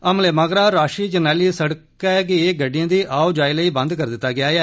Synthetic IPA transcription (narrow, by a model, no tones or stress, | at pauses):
əmleːməɡɾaːɾaːʃiːd͡ʒənɛːliːsəɽk | ɛɛk̬ɪeːɡəɖːɪjãːd̪iːʔaːoːd͡ʒaːiːləiːbə̃nd̪kəɾd̪ɪt̪ːaːɡɪaːjaː